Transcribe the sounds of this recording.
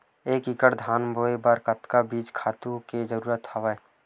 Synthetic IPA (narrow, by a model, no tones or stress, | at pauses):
eːkikəɾd̪ʱaːnbʱoːebəɾkət̪kabiːt͡ʃkʰaːt̪ũked͡ʒəɾuːɾət̪həʋəe